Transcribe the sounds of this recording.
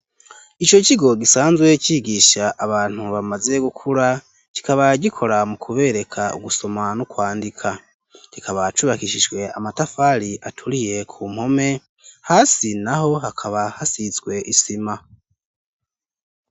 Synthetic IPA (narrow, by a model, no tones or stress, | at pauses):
it͡ʃo̞ciɡo̞ɡisaːnzɡwe̞ciɡiːʃaʔaβaːn̥huβamaze̞ɡukʰuɾa | ci̥kaβaɟikʰo̞ɾamukʰuβe̞ːɾe̞kʰaṵɡuso̞manukwaːndikʰa | ɡ̥ikʰaβat͡ʃuβakiʃiʒɡwe̞a̰matafaːɾiʔatʰuɾije̞kʰuːm̥ho̞me̞ | haːsinaɦo̞hakʰaβahasizɡwe̞ʔisima